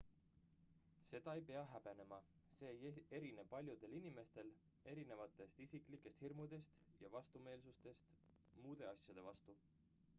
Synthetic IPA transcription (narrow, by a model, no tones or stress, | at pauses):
se̞d̪̥ɑejpe̞ɑɦæb̥e̞ne̞mɑse̞ːje̞ɾineb̚pːɑlʲjud̪̥e̞linime̞st̪e̞l | e̞ɾine̞vɑt̪ːˑe̞st̪isikˑlikːˑe̞st̪hirmud̪e̞st̪jɑvɑst̪ume̞ːlsust̪e̞st̪ | muːd̪̥e̞ɑsʲjɑd̪e̞vɑst̪u